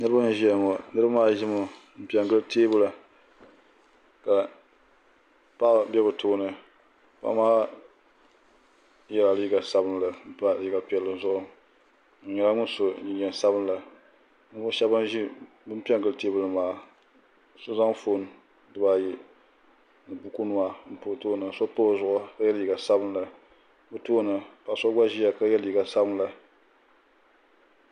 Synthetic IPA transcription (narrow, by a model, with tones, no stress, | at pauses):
nɨ˦ɾɨ˦ba˦ɲɛ˨ʒi˦a˨ŋɔ˨nɨ˦ɾɨba˦maː˦ʒɪ˦mɨ˨ | m̩˦pi˦ɛ˨ŋɡɨ˦ltʰeː˦bʊ˦la˨ | ka˨ | pa˦ʔbʲɛ˦bɨ˨tʰoː˦nɨ˨ | pa̰˦maː˦ | jɛ˦la˨li˦ɡa˨sa˦bɨ˦n˨la˨˦˨pa˨ji˦ɡa˨pi˨ɛ˨lːɨ˨zʊ˦ʔʊ˨ | ɲɛ˨la˦ŋʊ˦so˨ɲi˨ɲɛ˨nsa˦bɨ˦n˦la˨ | n˦ʊ˦ʃɛ˦bɨ˦nʒi˦ | bɨ˦m˦pi˦ɛ˦ŋ˨kɨ˦lɨ˨te˦bɨ˨lɨ˨maː˨ | sʊ˦za˦ŋfo˦˨n˨ | dɨ˦baː˦˨jɛ˨ | nɨ˨bu˦ku˦nu˦a˨m̩˨po˨toː˦nɨ˨sɔ˦po˦˨zʊ˦˨ʔʊ˦ka˦jɛ˦lji˨ɡa˨sa˦bɨ˦n˦la˨˦ | bɨ˦toː˦nɨ˨pa˨sɔ˦ɡ͡ba˦ʒi˦ja˨ka˦jɛ˦lji˨ɡa˨sa˦bɨ˦nla˨